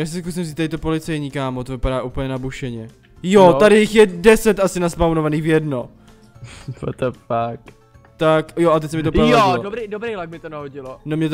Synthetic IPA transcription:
jaːs̬ɪskus̬ɪmziːt̪ːaɾɪt̪opo̞lɪt͡sɛjɲiːkaːmot̪ovɪpaɾaːʔuːpl̩ɲɛnabuʃɛɲɛ | jot̪adɪjɪxjɛdɛsɛt̪ʔasɪnaspawnovaniːxvjɛdno̞ | t̪o̰t̪ɛfak | t̪akjoʔat̪ɛc̚ʲsɛmɪt̪oajoɪllodobɾejdobɾejlaɡ̚mɪt̪onaɦoɟɪlonomɲɛt̪

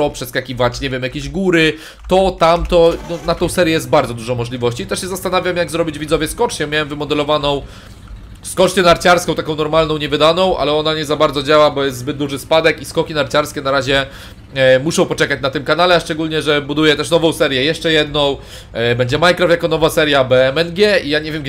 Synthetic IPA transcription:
ɔpʂɛskakʲivat͡ɕɲɛvʲjɛmjakʲeʑɡuɾɘ | t̪ɔt̪amt̪ɔnɔnat̪ɔ̃w̃sɛɾʲjɛjɛst̪d̪̚baɾd̪zɔd̪uʐɔ̃w̃mːɔʐlʲivɔɕt͡ɕiːt̪ɛʂɕɛzast̪anavʲjamjaɡzɾɔbʲid͡ʑvʲid̪zɔvjɛskɔt͡ʂɲɛmʲjawɛmvɘmɔd̪ɛlɔvanɔ̃w̃ | skɔt͡ʂt͡ɕɛnaɾt͡ɕaɾskɔ̃w̃t̪akɔ̃w̃nɔɾmalnɔ̃w̃ɲɛvɘd̪anɔ̃w̃ʔa̰lɛɔnaɲɛzabaɾd̪zɔd͡ʑawabɔjɛst̪zbɘd̪̚d̪uʐɘspad̪ɛkiskɔkʲinaɾt͡ɕaɾskʲɛnaɾaʑɛ | muʂɔ̃w̃pɔt͡ʂɛkat͡ɕnat̪ɘmkanalɛaʂt͡ʂɛɡulɲɛʐɛbud̪ujɛt̪ɛʂnɔvɔ̃w̃sɛɾʲjɛjɛʂt͡ʂɛjɛd̪̚nɔ̃w̃ | bɛɲd͡ʑɛmajkɾɔfjakɔnɔvasɛɾjabɛmɛnɡʲɛijaɲevʲjɛmɡ

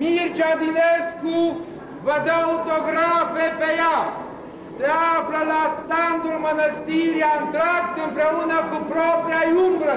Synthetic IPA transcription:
mirt͡ʃad̪inesku | vəd̪aot̪oɡɾafepeja | seafləlast̪and̪ulmənəst̪iɾjaɨnt̪ɾakt̪ɨmpɾeunəkupɾopɾiajumbɾə

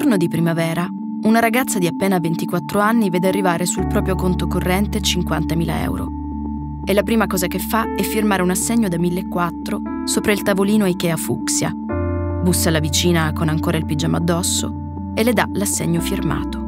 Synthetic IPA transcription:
ornod̪ipɾimavɛːɾa | unaɾaɡat̪sːad̪iapːeːnavent̪ikwat̪ːɾoanːivɛːd̪earːivaːɾesulpɾɔːpɾjokont̪okorːɛnt̪et͡ʃiŋkwant̪amiːla̰ɛ̰wɾo̰ | ɛlːapɾiːmakɔːzakefːaɛfːirmaːɾeunasːeɲːod̪amilːekːwat̪ːɾo | soːpɾailt̪avoliːnoikɛafuksja̰ | busːalavit͡ʃiːnakonaŋkoːɾʔailpid͡ʒaːmoad̪ːɔsːo̰ | elːed̪a̰lasːḛɲːofirma̰ːt̪o̥

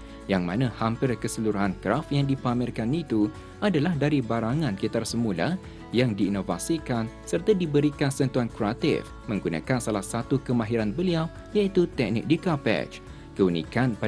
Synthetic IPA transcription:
jaŋmã̰nãhampɪrkəsəluɾuɦankɾafjaŋdipamɪrkanit̪u | ʔadalahdaɾibaɾaŋãnkit̪arsəmula̰ | jaŋdiːnova̰sikansərt̪adibəɾikansənt̪uankɾat̪ɪ̰f | mə̃ŋɡunã̰kansalahsat̪ukəmãɦiɾanbəliaw | jait̪ut̪ɛk̚nɪ̰k̚dikapɛ̰t͡ʃ | kəunḭ̃kanpa

